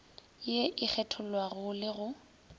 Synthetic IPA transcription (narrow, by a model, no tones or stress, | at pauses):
jeʔɪk͡xʰɛtʰʊl̩waɣʊlɪɣʊ